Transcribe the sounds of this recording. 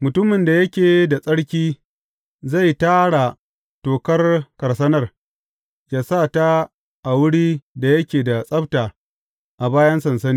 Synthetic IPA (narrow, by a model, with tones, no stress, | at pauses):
mʊ˨tʊ˦mɪ˨nda˨jɐ˦kʲeː˨da˨sʼɐ˦ɽkʲiː˦ | za˦˨jtaː˦ɽa˨ | toː˨kɐ˦rkɐ˨rsɐ˦nɐ˦r | jaː˨saː˦˨ta˦ | ʔa˨wʊ˦ɽiː˦da˨jɐ˦kʲeː˨da˨sʼɐ˦btaː˨ | ʔa˨baː˦jɐ˦nsɐ˨nsɐ˦niː˦